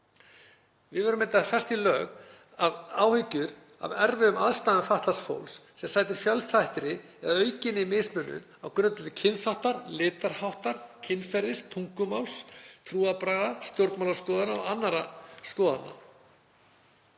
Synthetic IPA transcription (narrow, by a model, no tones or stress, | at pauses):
vɪðvɛːɾʏmɪnt̪ːafɛr̥st̪ilœːɣ | aðaːwhʏcːʏɾ | a̰vɛɾvɪʏmaðst̪aːðʏnfaht̪lasfo̰wlssɛmsaːjt̪ɪɾ̥fjœlt̪ʰajht̪ɪɾɪ | ɛðaœːɥcɪnɪmɪːsmʏnːʏ̰nawkʏnʏt̪ʏlðɪcʰɪnθawht̪aɾlɪːt̪aɾ̥hawht̪aɾ̥cʰɪnfɛɾðɪst̪ʰuŋkʏmawlst̪ʰɾuːapɾaːɣast̪jowɾt̪mawlaskɔːðanaɔ̰anːaɾaskɔːða̰na̰